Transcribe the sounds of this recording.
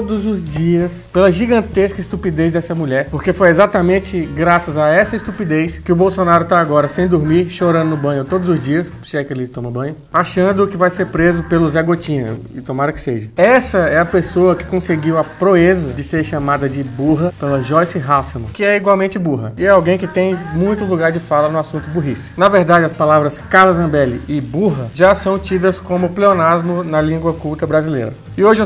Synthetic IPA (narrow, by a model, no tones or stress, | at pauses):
t̪od̪ʊzʊzd͡ʒiɐspelɐʒiɡɐ̃nt̪eskɐɪst̪upid̪ezd̪ɛsɐmuʎɛɾpoɾkefojezat̪ɐmẽt͡ʃɪɡɾasɐzaɛsɐist̪upid̪ejskɪʊbowsonaɾʊt̪aːɡɔɾɐsẽj̃d̪ʊɾmiɾʃoɾɐ̃nd̪ʊnʊbɐ̃ɲʊt̪od̪ʊzʊzd͡ʒiɐs | sɪɛkelɪt̪õmɐbɐ̃ɲʊ | aʃɐ̃nd̪ʊːkɪvajseɾpɾezʊpelʊzɛɡot͡ʃĩɲɐɪt̪õmaɾɐkɪ̥seʒɐɛsɐɛɐpesoɐkɪ̥kõseɡiwɐpɾoezɐd͡ʒɪseɾʃamad̪ɐd͡ʒɪbuɦɐpelɐʒɔjsɪɦawsɐmɐ̃kɪɛiɡwawmẽnt͡ʃɪbuɦɐɪɛawɡẽj̃kɪt̪ẽj̃mũj̃t̪ʊluɡaɾd͡ʒɪfalɐnʊasũnt̪ʊbuɦisɪ̥nɐveɾd̪ad͡ʒɪɐspalavɾɐskaɾlɐzɐ̃bɛlɪʔɪbuɦɐʒasɐ̃w̃t͡ʃid̪ɐskõmʊpleonazmʊnɐlĩɡwɐkuwt̪ɐbɾazilḛɾɐ | ɪoʒɪ